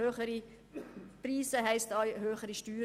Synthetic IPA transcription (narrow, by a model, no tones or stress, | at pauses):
øːχəɾi | priːsəɦɛɪstɑjɦøːχəɾiʃtyː